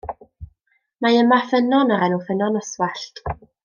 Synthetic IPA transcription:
majəmafənɔnɔɾɛnufənɔnɔswaɬt

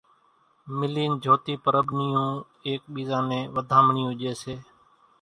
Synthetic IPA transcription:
mɪliːnd͡ʒʱoːt̪iːpəɾəɓnɪjũː | eːk̚ɓiːzãːnẽːʋəd̪ʱãːməɳiːũːʄeːseː

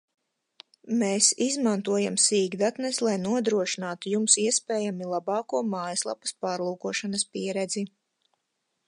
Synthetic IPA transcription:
meːsizmant̪uɔjamsiːɡd̪at̪nɛslˠajnuɔd̪ɾuɔʃinaːt̪ujumsiɛspeːjamilˠabɑːkuɔmaːjɐslˠa̰pɐ̥spaːɾlˠuːkuɔʃanɐspiɛɾɛd̪zi

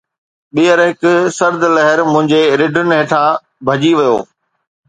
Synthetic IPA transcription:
ɓijəɾɦɪkʊ̆sɐɾd̪lɐɦəɾmʊ̃ɦɪ̃ɲd͡ʑeɾɪɖʱʊnɪ̆ɦeːʈʰã | bʱɐd͡ʑiʋijo̰ː

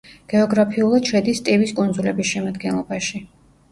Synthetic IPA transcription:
ɡ̥ɛɔɡɾapʰiulˠad̪̥ʃɛd̪ist̪ʼiviskʼund̪zulɛbisʃɛmad̪ɡɛnlˠɔbaʃi

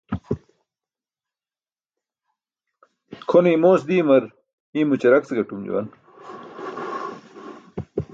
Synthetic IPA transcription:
kʰonimoːsd̪iːmɐɾ | iːmut͡ɕɐɾɐkt͡seɡɐʈumd͡ʑṵwɐ̰n

